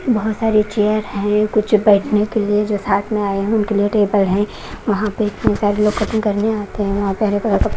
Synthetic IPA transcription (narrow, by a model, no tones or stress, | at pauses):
bɐɦʊt̪saːɾet͡ʃejəɾɦɛ̃kʊt͡ʃʰbɛːʈʰnekelied͡ʒoːsaːʈ̪ʰmẽaːeɦɛ̃ʊnkelieʈeːbəlɦɛ̃ | ʋɐɦãpeɪt̪nesaːɾeloːɡkʰɐt̪əmkɐɾneaːt̪eɦɛ̃ʋɐɦãpɛɦlekɐlak̪ɐ